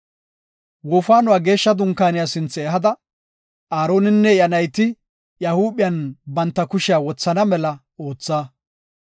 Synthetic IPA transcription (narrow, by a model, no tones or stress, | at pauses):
wɔfaːnʊwaːɡe̞ːʃːɐd̪ʊŋkaːnɪjaːsɪnt͡sːɛːɦɐd̪ɐ | aːɾo̞ːnɪnːɛɪjɐnɐjt̪ɪ | jɐhuːɓɪjɐnbɐnt̪ːɐkʊʃɪaːwɔt͡sːɐnɐmɛlɐ | o̞ːt͡sːaː